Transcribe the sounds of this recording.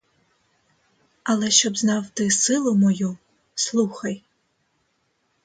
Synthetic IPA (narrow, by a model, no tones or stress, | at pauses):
alˠɛʃɔbznawtɨsɨlˠomɔju | slˠuxaj